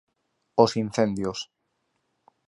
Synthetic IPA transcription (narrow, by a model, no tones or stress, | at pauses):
osin̟θẽnd̪jos